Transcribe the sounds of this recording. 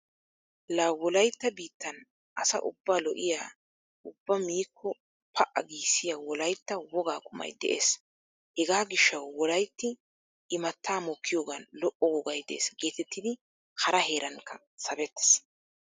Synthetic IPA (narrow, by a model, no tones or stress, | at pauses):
lawɔlɐjt̪ːɐbiːt̪ːɐn | ʔɐsɐ̰ʔʊ̰bːaːlɔʔɪjaː | ʔʊb̥ːɐmiːkʰːɔ | pʰɐʔɐ̰ɡiːsːɪjaːwɔlɐjt̪ːɐwɔɡaːkʊmɐ̰jd̪ɛ̰ʔḛːs | hɛɡaːɡɪʃːɐwːɔlɐjt̪ːɪ | ʔɪmɐt̪ːaːmɔːkʰːɪjoːɡɐnlɔʔɔwɔɡɐjd̪ḛːsɡe̞ːt̪ɛt̪ːɪd̪ɪ | hɐɾɐhe̞ːɾɐŋkːɐ | sɐbɛt̪ːɛ̥s